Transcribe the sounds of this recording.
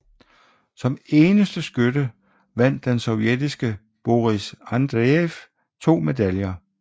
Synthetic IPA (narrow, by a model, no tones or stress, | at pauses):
sɒ̽me̝ːnəsd̥əsɡ̥ødə | ʋæn̰d̥ːensɒ̽ʊjed̥isɡ̥ə | b̥o̝ʁisænd̥ʁeef | t͡sʰo̝̰ːme̝d̥æljɐ